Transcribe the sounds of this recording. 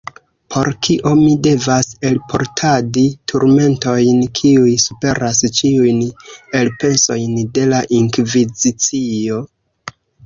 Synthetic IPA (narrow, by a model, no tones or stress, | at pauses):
pʰo̞ɾkʰiʔo̞mide̞vase̞lpʰo̞̰ɾtʰaditʰuɾme̞nto̞jnkʰiujsupe̞ɾast͡ʃiujne̞lpe̞so̞jnde̞laʔiŋkvizit͡sio̞